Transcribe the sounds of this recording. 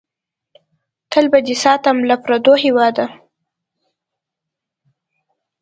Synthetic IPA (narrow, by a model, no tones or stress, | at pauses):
t̪ʰəlbad̪isɑt̪amlapɾad̪ohɪwɑd̪a